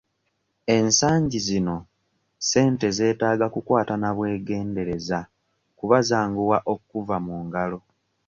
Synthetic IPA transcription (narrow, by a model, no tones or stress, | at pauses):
e̞nsaːɲɟizino̞ | se̞ːnte̞ze̞ːtaːɡakukwaːtanaβwe̞ːɡe̞ːnde̞ɾe̞za | kuβazaːŋɡuwaʔo̞kkuvamuːŋɡalo̞